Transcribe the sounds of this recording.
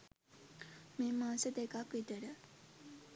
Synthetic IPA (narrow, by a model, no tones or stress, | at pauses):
meːmaːsəd̪ekakʋit̪əɾə